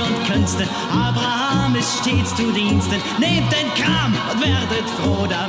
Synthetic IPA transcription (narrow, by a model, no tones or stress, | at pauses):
ʊntkʰœnstən | ʔaːbʁahaaːmɪsʃteːst͡suːdiːnstənneːmt̚d̥eːnkʁaːmʊntv̥ɛːdətfʁoːda